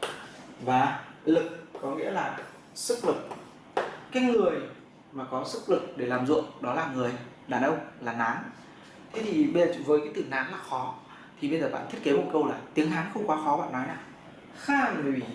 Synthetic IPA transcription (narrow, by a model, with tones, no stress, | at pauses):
vaː˨˦lɨ˨˩k̚kɔ˨˦ŋḭ˧˥əlaː˨˩ | sɨ˦˥k̚lɨ˨˩k̚ | kaː˨˦jŋɨ˨˩əj | maː˨˩kɔ˨˦sɨ˦˥k̚lɨ˨˩k̚ɗe˧˩laː˨˩mzṵ˧˨əŋɗɔ˨˦laː˨˩ŋɨ˨˩əj | ɗaː˨˩nʔə˧wŋ͡mlaː˨˩naː˨˦ŋ | t̪ʰe˨˦t̪ʰi˨˩ɓə˧jzəː˨˩˨vəː˨˦jkaː˨˦jt̪ɨ˧˩naː˨˦ŋlaː˨˩xɔ˨˦ | t̪ʰi˨˩ɓə˧jzəː˨˩ɓa̰ː˧˨nʰi˦˥t̚ke˨˦mo˨˩t̚kə˧wlaː˨˩t̪i˨˦əŋɦaː˨˦nxə˧wŋ͡mkwaː˨˦xɔ˨˦ɓa̰ː˧˨nːɔ˨˦jɲaː˧˩ | xaː˧˩˨n˨˩˨i˨˩